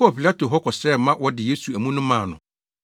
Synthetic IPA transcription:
ɔ˨pi˨la˦tʰo˨ɦɔ˦kʰɔ˨sɛː˦˨mã˦wɔ˦dɪ˨je˦su˨æ˨mũ˦nʊ̃˦mãː˨nʊ̰̃˨

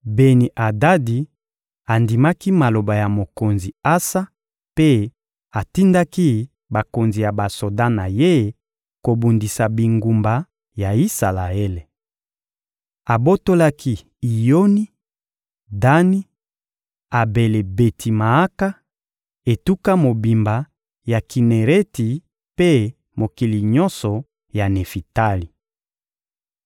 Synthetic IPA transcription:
be˨ni˨ʔa˨da˦di˨ | a˨ndi˨ma˦ki˦ma˨lo˨ba˨ja˨mo˨ko˨nzi˨a˦sa˦ | pe˦ | a˨ti˦nda˦ki˦ | ba˨ko˨nzi˨ja˨ba˨so˨da˦na˨je˦ | ko˨bu˨ndi˨sa˨bi˨ŋɡu˨mba˨ | ja˨i˦sa˨la˨e˦le˨ | a˨bo˦to˦la˦ki˦ | i˨jo˦ni˦ | da˦ni˦ | a˨be˨le˨be˨tʰi˨ma˨a˦ka˦ | e˨tu˦ka˦mo˨bi˨mba˨ | ja˨ki˨ne˨ʁe˦ti˨ | pe˦ | mo˨ki˨li˨ɲɔ˦nsɔ˨ | ja˨ne˨fi˨ta˦li˨

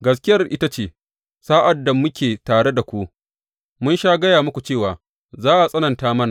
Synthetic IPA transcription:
ɡɐ˦s̬kʲɪ˦jɐ˦rʔɪ˦ta˦t͡ʃeː˨ | saː˦ʔa˨dːa˨mʊ˦kʲʰeː˨taː˨ɽe˦da˨kʷu˦ʔ | mʊ˦nʃaː˦ɡɐ˦jaː˨mʊ˦kʷu˨t͡ʃeː˦˨waː˨ | zaː˦ʔa˨sʼɐ˦nɐ˨ntaː˦mɐ˦na˨

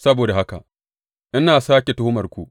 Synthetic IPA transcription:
sɐ˦boː˨da˨ɦa˦ka̰˨ | ʔɪ˦naː˨saː˦kʲe˨to˦hʊ˦mɐ˨rkʷu˨ʔ

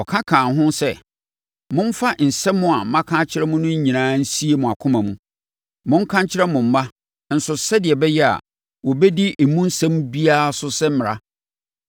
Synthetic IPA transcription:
ɔ˨kʰã˦kʰãː˨ɦʊ̃˦sɛ˦ | mʊ̃˦m̩˦fa˦n̩˨sɛ˦mʊ̃˦a˨mã˦kʰã˦t͡ɕʰɪ˦ɾɛ˦mʊ̃˦nʊ̃˦ɲ̩˦ɲĩ˨nãː˦n̩˦si˦e˨mʊ̃˨a˨kʰʊ̃˦mã˨mũ˦ | mʊ̃˦ŋ̩˦kʰã˦ɲ˦t͡ɕʰɪ˦ɾɛ˦mʊ̃˨m̩˦ma˦ | n̩˨sʊ˨sɛ˦dɪ˨ɛ˨bɛ˦jɛ˦a̰˨ | wɔ˨bɛ˦di˦e˨mũ˦n̩˦sã˦mbi˦a˦˨sʊ˦sɛ˦m̩˦mɪ̃˨ɾa̰˦

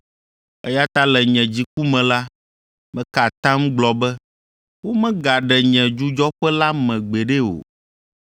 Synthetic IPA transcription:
ɛ˦ja˦t̪a˦lɛ˨ɲɛ̃˨d͡ʑi˨ku˦mɛ̃˨la˦ | mɛ̃˦ka˨t̪ã˦m̩˦ɡ͡blɔ˨bɛ˦ | wo˦mɛ̃˦ɡa˨ɖɛ˨ɲɛ̃˨d͡ʒu˦d͡ʒɔ˦ɸɛ˦la˦mɛ̃˨ɡ͡bɛ˨ɖe˦wo̰˨

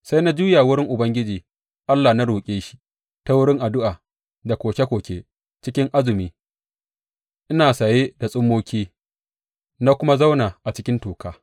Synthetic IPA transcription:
sa˦jna˦d͡ʒuː˦jaː˨wʊ˦ɽɪ˦ŋʔʊ˨bɐ˦ŋɡʲɪ˦d͡ʒiː˨ | ʔa˦lːa˨na˦ɽuː˨kʲʼeː˦ʃi̥˦ʔ | ta˦wʊ˦ɽɪ˦ŋʔa˨dʊ˦ʔaː˨ | da˨kʷoː˨kʲe˦kʷoː˨kʲeː˦ | t͡ʃɪ˦kʲɪ˦ŋʔa˦zɪ˨miː˦ | ʔɪ˦naː˨sa˨jeː˦da˨sʼʊ˦mːoː˦kʲiː˦ | na˦kʷʊ˦ma˦za˦wnaː˨ʔa˨t͡ʃɪ˦kʲɪ˦ntuː˨kaː˦

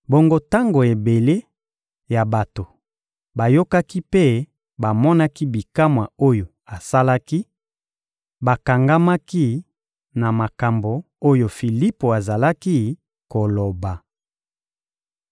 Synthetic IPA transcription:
bo˨ŋɡo˦ta˦ŋɡo˨e˨be˨le˦ | ja˨ba˨to˨ | ba˨jo˦ka˦ki˦pe˦ | ba˨mɔ˦na˦ki˦bi˨ka˦mwa˨o˦jo˨ | a˨sa˦la˦ki˦ | ba˨ka˨ŋɡa˦ma˦ki˦ | na˨ma˨ka˨mbo˨ | o˦jo˨fi˨li˦po˨a˨za˨la˦ki˦ | ko˨lo˨ba˨

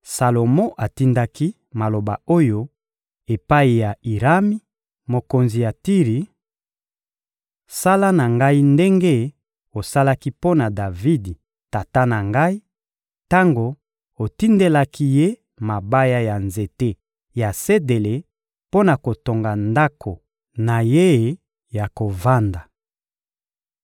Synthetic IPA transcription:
sa˨lo˨mɔ̃˦ʔa˨ti˦nda˦ki˦ | ma˨lo˨ba˨o˦jo˦ | e˨pa˦i˨ja˨i˨ʁa˦mi˦ | mo˨ko˨nzi˨ja˨ti˦ʁi˨ | sa˦la˦na˨ŋɡa˦i˦nde˦ŋɡe˦ | o˨sa˦la˦ki˦po˦na˨da˨vi˦di˨ | ta˨ta˦na˨ŋɡa˦i˦ | ta˦ŋɡo˨ | o˨ti˦nde˦la˦ki˦je˦ | ma˨ba˦ja˦ja˨nze˨te˦ | ja˨se˦de˨le˨ | po˦na˨ko˨to˨ŋɡa˨nda˦kʰo˨ | na˨je˦˨ | ja˨ko˨va˦nda˨

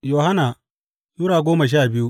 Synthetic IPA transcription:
joː˨ha˦na˨ | ju˦ɽaː˨ɡʷoː˦mɐ˨ʃ̬aː˦˨bɪ˦ju˦

